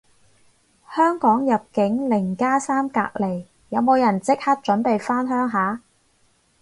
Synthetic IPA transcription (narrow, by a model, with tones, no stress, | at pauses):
hœː˥ŋkɔː˨˥ŋjɐ˨p̚kɪ˨˥ŋlɪ˨˩ŋkaː˥saː˥mka̰ː˧k̚le˨˩j | jɐ˨˧wmo˨˧wjɐ˨˩nt͡sɪ˥k̚hɐ˥t̚t͡ʃɵ˨˥npe˨jfaː˥nɦœː˥ŋɦaː˨˥